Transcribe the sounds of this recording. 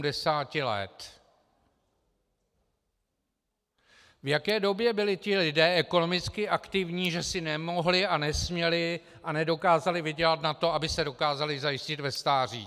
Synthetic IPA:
dɛsaːcɪlɛ̰t̪ | vjakɛːdo̞bjɛbɪlɪc̪ɪlɪdɛːʔɛko̞no̞mɪt͡skɪʔakt̪ɪvɲiːʒɛsɪnɛmo̞ɦlɪʔanɛsmɲɛlɪʔanɛdo̞kaːzalɪvɪɟɛlat̪nat̪o̞abɪsɛdo̞kaːzalɪzajɪscɪt̪vɛst̪aːr̝ḭː

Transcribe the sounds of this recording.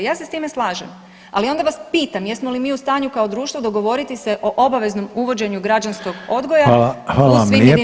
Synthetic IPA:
jaːse̞st̪iːme̞slˠaːʒem | alio̞nd̪aʋaspiːt̪amjesmo̞limiːust̪aːɲukao̞d̪ɾuːʃt̪ʋod̪o̞ɡo̞ʋo̞ɾit̪iseʔo̞ʔo̞baʋe̞zno̞muʋo̞d͡ʑe̞ɲuɡɾad͡ʑansko̞ɡo̞d̪ɡo̞jaxaːlasmʋi

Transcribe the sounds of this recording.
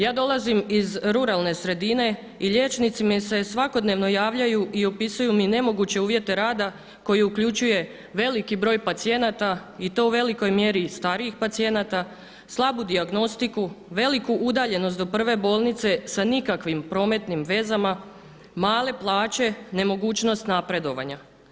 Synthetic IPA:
jaːd̪o̞lˠazimizɾuɾalˠne̞sɾe̞d̪ine̞ | iʎe̞ːt͡ʃnit̪simise̞sʋako̞d̪ne̞ʋno̞jaːʋʎajuʔio̞pisujumine̞mo̞ɡut͡ɕe̞uːʋje̞t̪e̞ɾaːd̪a | ko̞jiukʎut͡ɕuje̞ | ʋe̞likibɾo̞ːjpat̪sie̞nat̪ait̪o̞uʋe̞liko̞jmje̞ɾist̪aɾiixpat̪sije̞nat̪a | slˠabud̪iaɡno̞st̪ikuʋe̞likuʔud̪aːʎe̞nost̪o̞pr̩ʋe̞bo̞ːlˠnit̪se̞sanikakʋimpɾo̞ːme̞t̪nimʋe̞zama | maːle̞plˠaːt͡ɕe̞ne̞mo̞ɡuːt͡ɕno̞st̪napɾe̞d̪o̞ʋa̰ɲa

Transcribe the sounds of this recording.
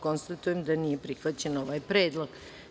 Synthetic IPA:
ko̞nst̪at̪ujemd̪anije̞pɾixʋat͡ɕeno̞ʋajpɾeːd̪lˠoɡ

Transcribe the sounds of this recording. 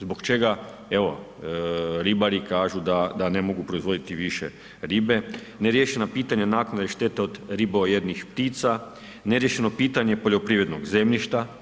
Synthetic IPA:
zbo̞kt͡ʃe̞ɡa | eʋo̞ | ɾibaɾikaːʒud̪ad̪ane̞mo̞ɡupɾo̞izʋo̞d̪it̪iʋiʃḛ | ɾiːbe̞ | neɾjeʃe̞napiːt̪aɲanaːknad̪eʃt̪et̪eod̪ɾibojed̪nixpt̪iːt̪sa | neɾjeʃeno̞piːt̪aɲe̞po̞ʎopɾiːʋɾed̪no̞ɡze̞mʎiʃt̪a

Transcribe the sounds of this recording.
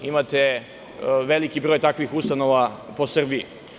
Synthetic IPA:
imat̪e | ʋelikibɾoːjt̪akʋixust̪anoʋapo̞sr̩biḭ

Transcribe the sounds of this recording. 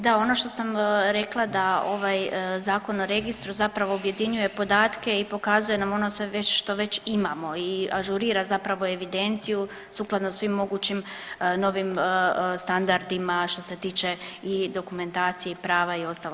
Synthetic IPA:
d̪ao̞no̞ʃt̪osamɾe̞klˠad̪ao̞̰ʋajzaːko̞noɾe̞ɡist̪ɾuzapɾaʋo̞ubje̞d̪iɲuje̞po̞d̪aːt̪ke̞ipo̞kazuje̞namo̞no̞sʋeʋeʃt̪o̞ʋe̞t͡ɕimamo̞iaʒuɾiːɾazapɾaʋo̞e̞ʋid̪e̞nt̪siju | suklˠad̪nossʋimːo̞ɡuːt͡ɕimno̞ʋimst̪and̪aɾd̪imaʃt̪o̞se̞t̪iːt͡ʃe̞id̪o̞kume̞nt̪aːt̪sijeipɾaːʋaio̞st̪alo

